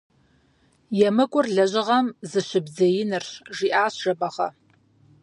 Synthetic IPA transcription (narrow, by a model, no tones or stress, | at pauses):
jɛmɨkʷʼʊrɮɐʑɪʁɐmzɨɕɪbzɐjɪnɨrʒiːʔaːsʒ̥ɐbɐʁɐ̰